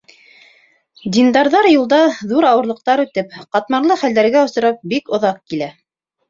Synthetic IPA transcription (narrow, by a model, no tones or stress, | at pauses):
d̪ʲind̪ɑɾðɑɾjulˠd̪ɑðuɾɑwɤ̆ɾlˠɤ̆q̚t̪ɑɾʉt̪ɘpqɑt̪mɑɾlˠɤχæld̪æɾɡæŏst̪ɤ̆ɾɑp̚bikŏðɑq̚kilæ